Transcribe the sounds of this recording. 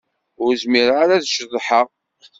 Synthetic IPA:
ʊɾzmiɾʁaɾæðʃəðˤħəʁ

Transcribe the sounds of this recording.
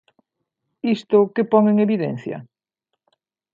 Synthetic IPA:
ist̪ʊkepɔŋeŋeβiðɛ̰n̟θjɐ̰

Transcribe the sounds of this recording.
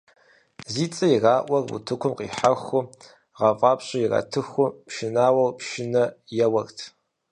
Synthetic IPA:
ziːt͡sʼɐirɑːʔʷɐrṵtʰɨkʷʰʊmqḭːħaxʷʊ | ʁɑfʼɑːpɕɐjirɐ̰tʰɨxʷʊpʃɪnaːwɐwpʃɪnɐjɛwɐrtʰ

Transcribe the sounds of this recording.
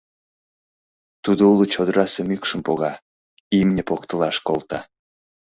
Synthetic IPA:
t̪ud̪oulut͡ɕod̪əɾɑsemykʃəmpoɣɑ | imnʲepokt̪əlɑʃkolt̪ɑ

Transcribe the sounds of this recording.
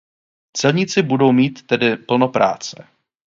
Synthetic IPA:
t͡sɛlɲɪt͡sɪbudo̞wmiːt̪ːɛdɪpl̩no̞pɾa̰ːt͡sɛ̰

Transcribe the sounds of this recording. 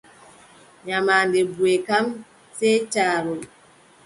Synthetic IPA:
ɲamaːndɛbuekam | sɛtaːɾɔl

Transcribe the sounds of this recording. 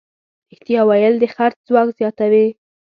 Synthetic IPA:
ɪht̪ijɑwɑjəld̪əxaɾtzwɑkzjɑt̪awi

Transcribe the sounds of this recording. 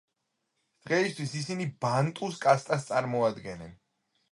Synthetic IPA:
d̪̥ʁɛist̪ʰwisisinibant̪ʼuskʼast̪ʼast̪sʼaɾmɔad̪ɡɛnɛn

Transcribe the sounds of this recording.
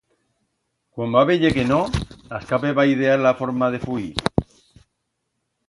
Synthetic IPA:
kwambaβeʎekenonaskapeβaið̞ealafoɾmaðe̞fui

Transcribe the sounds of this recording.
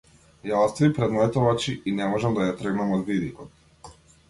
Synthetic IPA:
jaɔst̪vipɾɛd̪nɔjt̪ɔvat͡ʃiinɛmɔʒɛmd̪ajat̪ɾɡnamɔd̪vid̪ikɔt̪̚

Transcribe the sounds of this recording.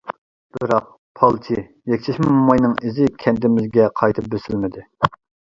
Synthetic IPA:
b̥ɨɾɑq̚ | pʰɑlˠt͡ʃʰi | jɛkʲt͡ʃʰɛʃmumːɑjnɨŋizɪkʲʰɛnt̪ɪmɪzɡʲɛqʰɑjt̪ʰɨp̚bøsɪlmɪd̪ɪ

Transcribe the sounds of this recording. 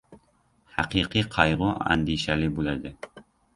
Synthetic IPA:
haqɨqʰɨqʰɑjʁʊa̰nd̪iʃælɪbolæd̪ɪ

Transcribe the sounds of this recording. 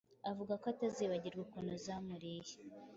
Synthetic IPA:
avuɡakoataziβaɟiɾɡwekunuzamuɾije̥

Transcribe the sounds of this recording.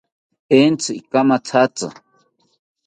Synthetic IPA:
ent͡sɨikamat͡sʰat͡sʼa̰

